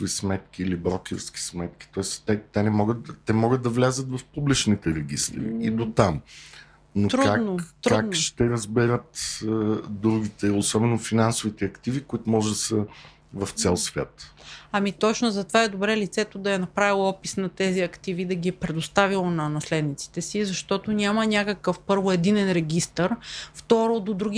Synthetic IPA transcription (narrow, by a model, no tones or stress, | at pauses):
ʊvismɛt̪kʲiːlibɾɔkʲɪɾskʲi̥smɛt̪̚ki̥t̪ɔɛst̪ɛt̪ɛnɛmɔɡət̪ɛmɔɡəd̪̚ɐvlʲazət̪vɐfpublit͡ʃnit̪ɛɾɛɡʲist̪ɾḭid̪ot̪am | not̪ɾkuadnk̪ot̪ɾkuanʃt̪ɛɾɐzbɛɾət̪ | d̪ɾuɡʲit̪ɛosɔbɛnofinansʊvit̪ɛɐkt̪ivikʊit̪ʊmɔʒɛd̪ɐsə | vɐft̪sɛlˠsvʲja̰t̪ɐmit̪ɔt͡ʃnozɐt̪ovaɛd̪obɾɛlit̪sɛt̪od̪ɐɛnɐpɾavilˠɔpisnɐt̪ɛziɐkt̪ivid̪ɐɡʲiɛpɾɛd̪ost̪avilˠonɐnɐslɛd̪nit̪si̥t̪ɛsizɐʃt̪ɔt̪onʲamɐnʲakəkəfpɤɾvoɛd̪inɛnɾɛɡ̟ist̪əɾft̪ɔɾod̪od̪ɾuɡʲi